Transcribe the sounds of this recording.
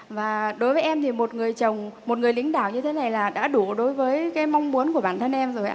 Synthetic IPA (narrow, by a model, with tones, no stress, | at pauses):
vaː˨˩ɗo˨˦jvəː˨˦jʔɛ˧mt̪ʰi˨˩mo˨˩t̚ŋɨ˨˩əjt͡ɕə˨˩wŋ͡mmo˨˩t̚ŋɨ˨˩əjlï˨˦ŋ̟ɗa̰ː˧˨wɲɨ˧t̪ʰe˨˦na˨˩jlaː˨˩ɗa̰ː˧˥ɗu˧˩ɗo˨˦jvəː˨˦jkaː˨˦jma˧wŋ͡mmu˨˦ənku˧˩əɓaː˧˩nt̪ʰə˧nʔɛ˧mzo˨˩jʔa̰ː˧˦